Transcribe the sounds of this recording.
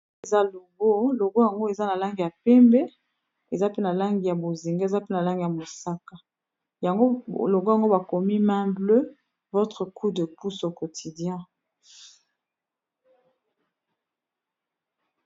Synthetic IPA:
e˨za˦lo˨ɡo˦lo˨ɡo˦ja˨ŋɡo˦e˨za˦na˨la˦ŋɡi˨ja˨pɛ˦mbe˦ | e˨za˦pe˦na˨la˦ŋɡi˨ja˨bo˨zi˨ŋɡa˦˨za˦pe˦na˨la˦ŋɡi˨ja˨mo˨sa˦ka˨ | ja˨ŋɡo˦lo˨ɡo˦ja˨ŋɡo˦ba˨ko˨mi˦mɛ̃˦blø˦ | vo˦tʁə˨kʰu˦də˨pu˦so˨ko˨tʰi˨djɛ̃˦

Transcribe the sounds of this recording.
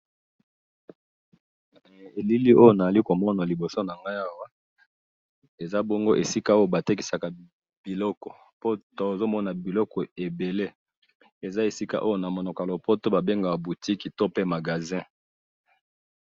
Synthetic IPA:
e˨li˦li˦ʔo˦jo˦˨na˨a˨li˦ko˨mɔ˦na˨li˨bo˨so˦na˨ŋɡa˦ja˦wa˦ | e˨za˦bo˦ŋɡo˦ʔe˨si˦ka˦o˦jo˦˨ba˨te˦k̬i̥˨sa˨ka˨ | b̥i˨lɔ˦kɔ˨ | po˦to˨o˨zo˦mɔ˦na˨bi˨lɔ˦kɔ˨e˨be˨le˦ | e˨za˦e˨si˦ka̰˦ʔo˦jo˦na˨mo˨nɔ˨klo˨po˦to˦ba˨be˦ŋɡa˨ba˨bu˨ti˦ki˨to˦pe˦ma˨ɡa˨zɛ̃˦

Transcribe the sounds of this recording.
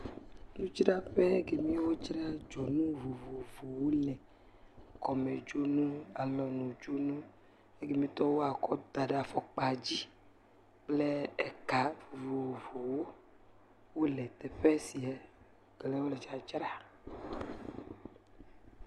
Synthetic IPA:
nũ˦t͡ʃɾa˦ɸe˦ɡe˨mĩ˦wo˦t͡ʃɾa˦d͡ʒɔ˨nũ˦vo˨vo˨vo˨wo˦lɛ̃˨ | kɔ˨me˨d͡ʒo˦nũ˦a˨lɔ˨nũ˨d͡ʒo˦nũ˦ | e˦ɡe˨mĩ˦t̪ɔ˦wo˦a˨kɔ˦d̪a˨ɖe˨a˨fɔ˨k͡pa˨d͡ʑi˦ | k͡ple˦ɛ˦ka˨vo˨vo˨wo˦ | wo˦lɛ˨t̪ɛ˨ɸɛ˦si˨ɛ˨ | ɡlɛ˦wo˦le˨d͡ʒa˨d͡ʒɾa˨

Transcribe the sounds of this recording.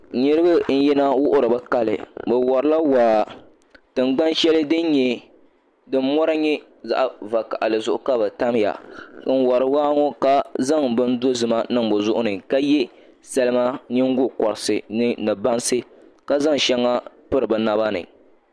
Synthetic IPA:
ɲi˦ɾɨ˦bɨ˦n̩˦ji˦na˦wʊ˦ʔʊ˦ɾɨ˨bɛ˦ka˦lɨ̰˨bɨ˨wɔ˨ɾɨ˦la˦waː˨ | tɨ˨ŋ͡mɡ͡ba˦nʃɛ˦lɨ˦dɨ˦n˦ɲɛ˦ | dɨ˦m̩˦mɔ˦ɾa˦ɲɛ˦ | za̰˦ʔva˨ka˨ʔa˨lɨ˨zʊ˦ʔʊ˦ka˦bɨ˨ta˦m˦ja̰˨˦n̩˦wɔ˨ɾɨ˨waː˦ŋɔ˦ka˦za˦ŋbɨ˦n̩˦do˦zɨ˨ma˦nɨ˦ŋbɨ˨zʊ˦ʔʊ˦nɨ˨ka˦jɛ˦ | sa˦lɨ˦ma˦ɲɪ˦ŋ̩˦ɡʊ˦kɔ˨ɾɪ˨sɨ˨nɨ˦nɨ˨ba˦nsɨ˦ | ka˦za˦ŋʃɛ˦ŋːa˦ | pɨ˦ɾɨ˨bɨ˨na˦ba˦nɨ̰˨

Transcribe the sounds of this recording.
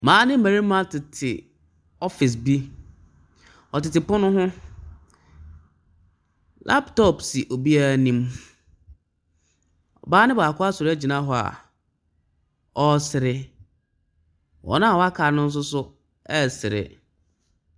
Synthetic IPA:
mãː˨˦nɪ̃˦mæ̃˨ɾi˦mã˦tʰɪ˨tʰɪ˨ | ɔ˦fɪ˨s̬bi˦ | ɔ˨tɪ˨tɪ˨pʊ̃˦nʊ̃˦ɦʊ̃˦ | lʔa̰˦ptɔ˦˨psi˨ʔo˨bi˦a˦˨nĩ˦m | ɔ̰˨baː˦nɪ̃˦baː˨kʰʊ˦a˦sʊ˨ɾɪ˦æ˦d͡ʑi˨nã˦ɦɔ˨a̰˨ | ɔ˦sɪ˨ɾɪ˨ | wʔɔ̰˨nã˦˨wɔ˦a˦kʰa˨˦nʊ̃˦n̩˦s̬ʊ˦sʊ˦ | ɛ˦sɪ˨ɾɪ̰˨

